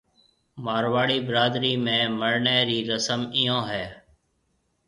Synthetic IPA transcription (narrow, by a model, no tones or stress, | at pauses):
maːɾʋaːɽiːbəɾaːd̪ɾiːmẽːməɾɳeːɾiːɾəsəmiːjõːɦɛː